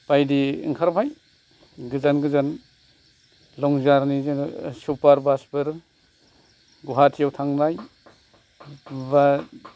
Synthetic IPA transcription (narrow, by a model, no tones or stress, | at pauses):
pajdiiŋkʰaɾpʰaj | ɡɯzanɡɯzan | lɔŋzaɾnizisupaɾbaspɯɾ | ɡuɦatʰijawtʰaŋnaj | ba